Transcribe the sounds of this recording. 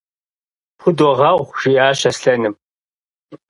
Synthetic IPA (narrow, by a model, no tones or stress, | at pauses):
pʰʊdɔʁɐʁʷʒ̥ijaːɕɐsɬɐnɨm